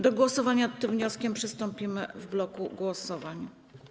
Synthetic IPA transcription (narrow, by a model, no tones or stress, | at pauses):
d̪ɔɡwɔsɔvaɲat̪ːɘmvɲɔskʲɛmpʂɘst̪ɔmpʲimɘvblɔkuɡwɔsɔvaɲ